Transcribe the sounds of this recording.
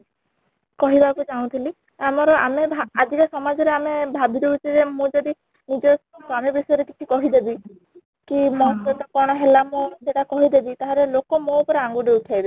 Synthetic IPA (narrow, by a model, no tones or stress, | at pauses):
kɔɦibʱakud͡ʒaũt̪ʰili | amɔɾɔʔamebʱaad͡ʒikɔsɔmad͡ʒɔɾeamebʱabʱiɾeut͡ʃʰid͡ʒemũd͡ʒɔd̪i | nid͡ʒɔskamebisɔjɔɾekit͡ʃʰikɔɦid̪ebi | kimɔtɔt̪ɔkɔɾɽ̃ɔɦelamũseʈakɔɦid̪ebit̪aɦɔɾelokɔmoupɔɾeaŋɡuɖeuʈʰjajbi